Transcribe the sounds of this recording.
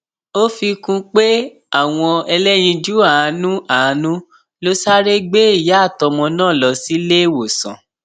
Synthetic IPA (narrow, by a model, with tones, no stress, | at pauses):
o˦fi˧kũ˧k͡pe˦ | a˦˨w̃ɔ̃˧ɛ˧lɛ˦j̃ĩ˧d͡ʒu˦a˦˨˧nũ˦a˨˧nũ˦ | lo˦sa˦ɾe˦ɡ͡be˦i˦˨ja˨˦˨tɔ˧mɔ̃˧nãː˦˨lɔ˧si˦le˦˨wo˨sã̰˨